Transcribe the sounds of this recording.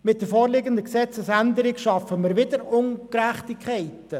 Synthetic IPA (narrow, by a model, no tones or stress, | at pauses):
mɪt̚d̥əfoːɾlɪɡəndəksɛt͡səsænd̪əɾɪɡʃɑfəmɪːɾʋɪdəɾʊŋkɾæχtɪkʰχɛɪtə